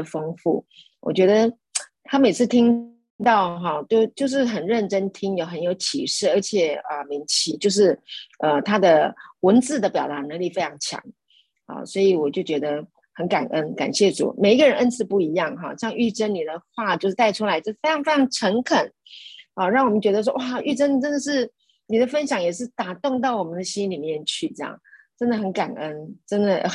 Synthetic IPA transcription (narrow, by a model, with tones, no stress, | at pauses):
fɤ˥ŋfṵ˥˩ | wɔ̰˨˩t͡ɕɥɛ˧˦˥d̪ə˧ | t̪ʰa˥me˨˩ɪt͡sʰɹ̩˥˩t̪ʰi˥ŋ | t̪ɑ˥˩ʊɦɑ˥˩t͡ɕo˥˧ʊt͡ɕjo˥˧ʊʂ̬ɻ̩˥˩xə˨˩nɻə˥˩nʈ͡ʂə˥nt̪ʰi˥ŋjo˨˧ʊxə˧˥njo˧˥ʊt͡ɕʰḭ˨˩ʂɻ̩˥˩ə˞˧˥t͡ɕʰjɛ˨˩ə˧mi˧˥ŋt͡ɕʰi˧˥t͡ɕjo˥˧ʊʂ̬ɻ̩˥˩ʔə˧t̪ʰa˥d̪ə˨wə˧˥nt͡sɹ̩˥˩d̪ə˩pjɑ˨˩ʊt̪a˧˥nə˧˥˦ŋli˥˩fe˥ɪʈ͡ʂʰɑ˧˥ŋt͡ɕʰjɑ̰˧˥˦ŋ | ɑ̰˨˩swɔ˧˥i˧˨˩wɔ˨˩t͡ɕjo˥˩ʊt͡ɕɥɛ˧˥d̪ə˧ | xə˧˦nka˨˩nʔə˦˥nka̰˨˩nɕjɛ˥˩ʈ͡ʂṵ˨˩˦me˨˩ɪi˥ɡə˧ɻə˧˦nʔə˦˥nt͡sʰɹ̩˧˥pu˥˩i˧˥jɑ˥˩ŋɦɑ̰˥˨ə˥jɑ˥˧ŋy˥˩ʈ͡ʂə˥nni˨˩d̪ə˩xwa˥˧t͡ɕjo˥˧ʊʂɻ̩˥˩t̪a˥˧ɪʈ͡ʂʰu˥la˧ɪt͡ɕjʊʂ̩˥fe˥ɪɑ˧˥ŋfe˥ɪʈ͡ʂʰɑ˧˥ŋʈ͡ʂʰə˧˥ŋkʰə˨˩˦n | ɑ˨˧ɻɑ˥˩ŋwɔ˨˩mə˦nt͡ɕɥɛ˧˥d̪ə˧wɔ˥wa˥˩y˥˧ʈ͡ʂə˥n˨˩ʈ͡ʂə˥nd̪ə˨ʂ̬ɻ̩˥˩ | ni˨˩d̪ə˦fə˦˥nɕjɑ˨˩˦ŋjɛ˨˩ʂɻ̩˥˩t̪a˨˩t̪ʊ˥˧ŋt̪̬ɑ˥˩ʊwɔ˨˩mə˦nd̪ə˧ɕi˥nli˨˩mjɛ˥˧nt͡ɕʰy˥˩ʈ͡ʂɤ˥˧˩jɑ̰˨˩ŋʈ͡ʂə˥nd̪ə˨xə˧˦nka˨˩nə˦nʈ͡ʂə˥nd̪ə˨